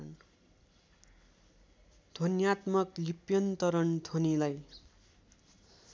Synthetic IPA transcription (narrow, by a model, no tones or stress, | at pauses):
n | d̪ʱonjat̪mʌklipjʌnt̪ʌɾʌnd̪ʱonilaj